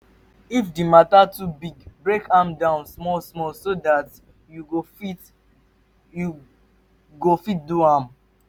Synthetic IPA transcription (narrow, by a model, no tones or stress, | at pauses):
ifdimatatubiɡbɹekʰãmdãʊ̃nsmɔlsmɔlsodat | juɡofit | ju | ɡofit̚duãm